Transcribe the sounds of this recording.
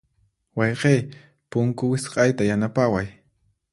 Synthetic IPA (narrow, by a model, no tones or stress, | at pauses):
wɑjqej | pʊŋkʊwɪsqɑjt̪ajanapawaj